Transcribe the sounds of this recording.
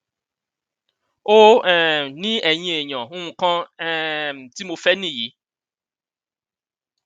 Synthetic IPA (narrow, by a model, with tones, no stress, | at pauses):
o˦˨ | nĩ˦ɛ˨ɲĩ˨˦e˨ɲɔ̃˨ũ˦ũ˨kã˦˨ | m˨ti˦mo˧fɛ˦nĩ˦˨ji˨˦